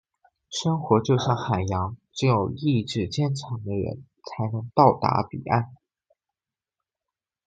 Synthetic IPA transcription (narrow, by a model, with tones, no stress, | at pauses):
ʂɤ˥ŋxwɔ˧˥t͡ɕjo˥˧ʊɕjɑ˥˩ŋxa˨˩ɪjɑ˧˥ŋʈ͡ʂɻ̩˥˧˥jo˨˩ʊi˥˧ʈ͡ʂɻ̩˥˩t͡ɕjɛ˥˧nʈ͡ʂʰɑ˧˥ŋd̪ə˧ɻə̰˧˥n | t͡sʰa˧˥ɪnɤ˧˥ŋt̪ɑ˥˩ʊt̪a̰˧˥pḭ˨˩a̰˥˩n